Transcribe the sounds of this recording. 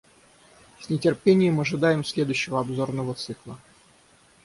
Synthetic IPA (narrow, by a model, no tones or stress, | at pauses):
sʲnʲɪtʲɪrpʲenʲɪjəmɐʐɨd̪ajɪmsʲlʲe̞d̪ʊɕːɪvəɐbzo̞rnəvət̪sɨklˠə